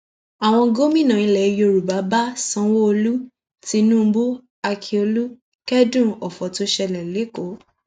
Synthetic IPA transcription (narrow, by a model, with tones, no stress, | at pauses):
a˨w̃ɔ̃˧ɡo˦mĩ˦˨nã˨ĩ˧˨lɛ˨˧jo˧˨ɾu˨ba˨˦ba˦sã˦wo˦o˧lu˦ | ti˧nũ˦˧˦bo˦ | a˧kʰi˧o˧lu˦ | kɛ˦dũ˦˨ɔ˨fɔ˨to˦ʃɛ˧lɛ˨le˨˦ko˨˦